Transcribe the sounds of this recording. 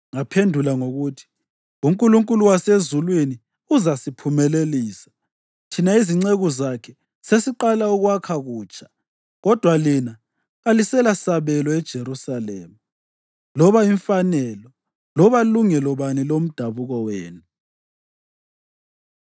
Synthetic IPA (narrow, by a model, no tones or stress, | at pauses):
ŋapʰendʱulaŋoɣutʰi̥ | um̩kʼuluŋkʼuluwasezulwini | uzasipʰumɛleliːsḁ | tʰinaiziŋ͡ǀeɣuzakʰɛ | sesiǃalauɣwakʰaɣuːt͡ʃʼḁ | ɣɔd̥ʱwalina | ɣalisɛlasaβɛlɔɛd̥ʒ̥ʱeɾusalɛːma | lɔβaiɱfanɛlɔ | lɔβaluŋɛlɔβanilom̩d̥ʱaβuɣɔweːnu